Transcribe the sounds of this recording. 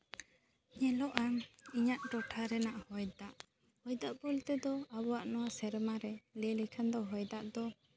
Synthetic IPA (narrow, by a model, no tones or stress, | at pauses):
ɲɛlɔʔaŋiɲaʔʈɔʈʰaɾɛnaʔhɔjd̪aʔ | hɔjd̪aʔpɔlt̪ɛd̪ɔabɔwaʔnɔwasɛɾmaɾɛlɛlikʰand̪ɔɦɔjd̪aʔd̪ɔ